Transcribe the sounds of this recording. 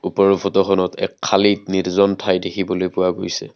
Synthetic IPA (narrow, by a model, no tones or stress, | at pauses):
upɔɹɔpʰɔtɔxɔnɔtɛ̰kʰːalitniɹzɔntʰajdekʰibɔlojpʊwaɡojsɛ̰